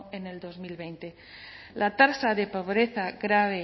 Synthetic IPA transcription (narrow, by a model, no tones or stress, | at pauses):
ene̞ld̪o̞zmilβejnt̪e̞ | lʔat̪asaðe̞po̞βɾeθaɣɾaβ̞e